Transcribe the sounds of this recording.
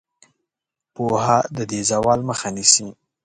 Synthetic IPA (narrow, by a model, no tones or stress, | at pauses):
pohad̪əd̪ezawɑlməxanisi